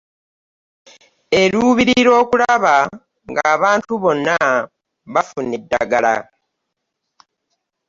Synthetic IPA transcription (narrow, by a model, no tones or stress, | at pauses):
e̞ɾuβiɾiiɾo̞ːkulaβa | ŋɡaːβaːntuβo̞nːa | βafunidːa̰ɡala̰